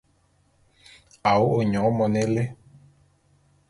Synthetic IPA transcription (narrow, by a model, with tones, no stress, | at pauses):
a˨wo˦o˨ɲɔ̃˨˦mɔ˨ne˦le˦